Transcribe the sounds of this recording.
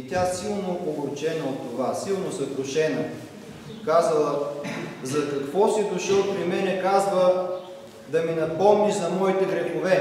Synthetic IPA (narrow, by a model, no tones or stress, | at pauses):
it̪ʲasilˠnoʔoboɾt͡ʃɛnəot̪ːovasilˠnosɐkɾʊʃɛnə | kazəlˠə | zɐkɐkvɔsid̪ʊʃəlˠpɾimɛnɛkazvə | d̪ɐminɐpɔmnizɐmɔit̪ɛɡɾɛxovɛ